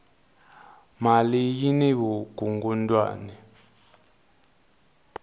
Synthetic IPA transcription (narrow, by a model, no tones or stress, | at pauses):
malijinɛβuɡ̥uŋɡundʼwa̰ːnɛ